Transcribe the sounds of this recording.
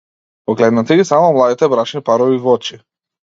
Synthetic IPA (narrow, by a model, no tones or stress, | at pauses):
ɔɡlɛd̪nat̪iɡisamɔmlˠad̪it̪ɛbɾat͡ʃnipaɾɔvivɔt͡ʃi